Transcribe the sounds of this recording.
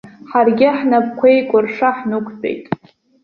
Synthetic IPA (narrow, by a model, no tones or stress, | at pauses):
ħarɡʲɪħnap̚ʼkʷʰe̞jkʷʼʊrʂaħnɨkʷʰt͡sʼḛjtʼ